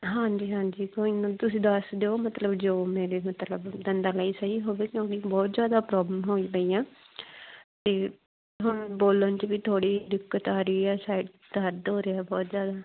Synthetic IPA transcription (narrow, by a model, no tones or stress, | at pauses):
ɦãːɲd͡ʒiːɦãːɲd͡ʒiːkoːɪ̃t̪ʊsĩːd̪əsd̪eːoːmət̪ləbd͡ʒoːmẽːɾeːmət̪ləbd̪ənd̪aːləiːsəɦiːɦoːʋeːkjõːkɪbɔːt̪zjaːd̪aːpɾɔːbləmɦoːiːbəiːãː | t̪eː | ɦʊɳboːlənt͡ʃʋiːt̪ʰoːɽiːd̪ɪkːət̪aːɾiːaːsaːɪʈ | d̪əɾd̪ɦoːɾeːɛːbɔːt̪zjaːd̪aː